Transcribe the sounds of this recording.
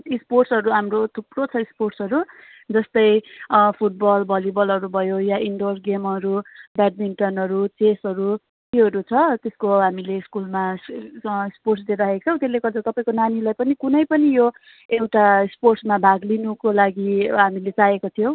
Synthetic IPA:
isporʈsʌɾuamrot̪ʰuprot͡sʰʌisporʈsʌɾu | d͡zʌst̪ʌjpʰuʈ̚bʌlbʱʌlibʌlɦʌɾubʱʌjojaʔiɳɖorɡemʌɾubaɖ̚miɳʈʌnʌɾut͡sesʌɾu | k̪iɦʌɾut͡sʰʌt̪eskoɦamileskulma | sporʈsd̪eɾaɦet͡sʰʌw̃t̪eleɡʌt͡sʰʌt̪ʌpaĩkonanilajpʌnikunʌjpʌnijo | ewʈasporʈsmabʱaɡlinukolaɡiɦamilet͡sajekot̪ʰijõw̃

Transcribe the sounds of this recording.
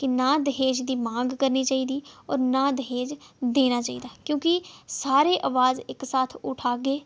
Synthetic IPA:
kɪnãːd̪əɦeːd͡ʒd̪iːmãːŋɡkəɾniːt͡ʃaːiːd̪iːɔ̰ːɾnãːd̪əɦeːd͡ʒd̪eːnaːt͡ʃaːḭːd̪aːkjõːkɪsaːɾeːʔaʋaːzɪksaːt̪ʰʊʈʰaːɡeː

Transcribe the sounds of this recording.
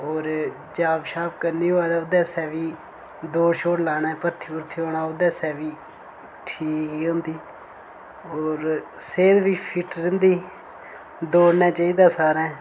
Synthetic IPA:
ɦoːɾ | d͡ʒaːbʃaːp̚kəɾniːɦoːaːd̪aːʊd̪ɛːsɛːʋiː | d̪oːʃoːɾlaːnɛːpət̪ʰːiːʊɾt̪ʰiːoːɽaːʊd̪ɛːsɛːʋiː | ʈʰiːkiɦõːnd̪iː | oːɾseːd̪ʋiːpʰɪʈɾə̃nd̪iː | d̪oːɽnãːt͡ʃaːiːd̪aːsaːɾɛ̃ː

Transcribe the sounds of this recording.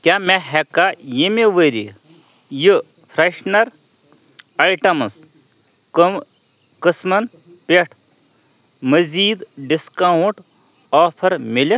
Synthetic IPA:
kʲjaːmɛɦɛkːajimeʋəɾḭ | ji | pʰɾɐʃnɐɾ | ɐʈɐmɨs | kɨsmɐn | peʈʰ | mɐziːd̪ɖiskawuɳʈ | ɔːpʰɐɾmilʲi

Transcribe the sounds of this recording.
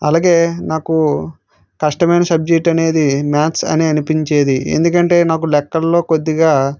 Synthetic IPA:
ɐlaːɡe̞ːnaːku | kɐʂʈɐmɐjnɐsɐb̚d͡ʒek̚ʈɐne̞ːd̪imjaːt̪sɐ̰niɐnipiɲt͡ʃeːd̪iḛnd̪ukɐɳʈe̞ːnaːkulɛkːɐllo̞ːko̞d̪ːiɡaː

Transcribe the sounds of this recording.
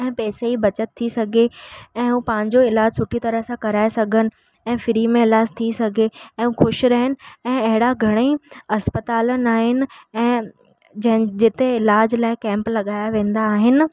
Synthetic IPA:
ɛ̃ːpɛːseibɐt͡ɕət̪ʰːisɐɡʱeɛ̃ːɦuːpãːɪ̃ɲd͡ʑoɪlaːd͡ʑsʊʈʰit̪ɐɾəɦsãkɐɾaːesɐɡʱənɪ̆ | ɛ̃ːfɪɾimẽɪlaːd͡ʑt̪ʰisɐɡʱeɛ̃ːɦũxʊʃɾɐɦənɪ̆ɛ̃ːɐɦɪɽaɡʱɐɽ̃eɐspət̪aːlənaːɦɪnɪ̆ɛ̃ː | d͡ʑɐ̃ɦɪ̃d͡ʑɪt̪eɪlaːd͡ʑlaːɪkɛ̃ːmplɐɠaːjaʋẽːn̆d̪aːɦɪnɪ̆

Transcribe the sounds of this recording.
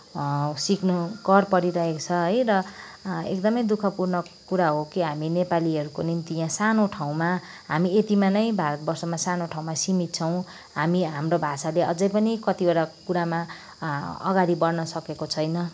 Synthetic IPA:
siknukʌrpʌɾiɾʌɦekt͡sʰʌɦʌjrʌ | ekd̪ʌmʌjd̪ukʰʌpurnʌkuɾaɦokiɦaminepaliʌɾukonimt̪ijãsanoʈʰaw̃ma | ɦamiet̪imanʌjbʱaɾʌt̪̚bʌrsʌmasanoʈʰaw̃masimit̪̚t͡sʰʌw̃ | ɦamiɦamɾobʱasaleʌ̰d͡zʌjpʌnikʌt̪ioɽakuɾama | ʌ̰ɡaɾibʌrnʌsʌkekot͡sʰʌjnʌ

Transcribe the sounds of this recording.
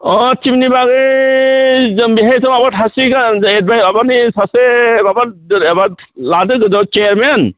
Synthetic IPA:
ɔtʰimnibaɡɯ | zɯmbiɦajsɔmabatʰasiɡaned̚bajbabanisasebababaladɯɡɯdɔt͡ʃeɾmen

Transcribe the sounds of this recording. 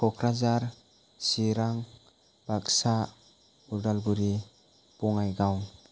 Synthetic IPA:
kʰɔkʰɾazaɾ | siɾaŋ | bak̚sa | uɾdalɡuɾi | pɔŋajɡawŋ

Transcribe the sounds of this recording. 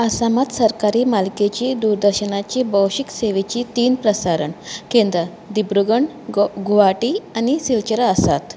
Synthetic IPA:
əsamat̪səɾkaɾiːmalket͡ɕiːd̪uɾd̪əɾɕənat͡ɕiːbəwɕikseʋet͡ɕiːt̪iːnpɾəsaɾəɳkẽnd̪ɾə | d̪ibɾuɡəɳɖ | ɡuʋaʈiːanisilt͡ɕəɾaəsa̰t̪

